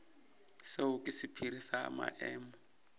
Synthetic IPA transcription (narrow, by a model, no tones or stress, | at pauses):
seukʼisipʰiɾisa̰ːma̰ʔɛːmɔ